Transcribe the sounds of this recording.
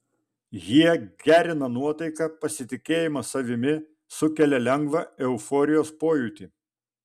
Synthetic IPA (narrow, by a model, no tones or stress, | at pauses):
jiɛɡʲæːɾʲɪnɐnuɔt̪ɐɪkɐpɐsʲɪt̪ʲɪkʲeːjɪmɐsɐʋʲɪmʲɪ | sʊkʲɛlʲɛlʲɛŋɡʋɐɛʊfɔːɾʲɪjoːspoːjuːt̪ʲiː